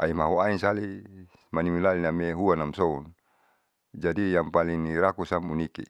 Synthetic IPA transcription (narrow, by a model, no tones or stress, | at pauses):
ʔaimaɦuainsali | manimilalinameɦuanamsɔun | d͡ʒadijaŋpaliŋniɾakusamunikḭ